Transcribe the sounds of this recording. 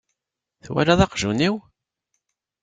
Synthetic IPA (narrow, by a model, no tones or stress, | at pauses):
θwæ̰laðɑqʒuniw